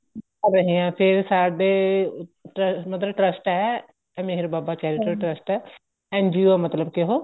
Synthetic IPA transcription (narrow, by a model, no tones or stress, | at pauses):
əɾəɦĩːãːpʰɪɾsaːɖeː | ʈɾəmət̪ləb̚ʈɾəsʈɛː | meɦɾbaːbaːt͡ʃɛːɾɪʈəɾʈɾəsʈɛː | ɛ̃ːnd͡ʒiɛmət̪ləbkɪɦoː